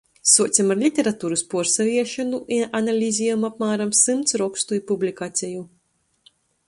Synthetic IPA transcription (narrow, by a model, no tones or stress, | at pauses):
suɔːt̪sʲamaɾlʲit̪ʲeɾat̪uːɾuspuɔɾsaviɛʃanuʔiʔanalʲizʲijamapmaːɾamsɨmt̪sɾɔkst̪uipublʲikaːt̪sʲɛju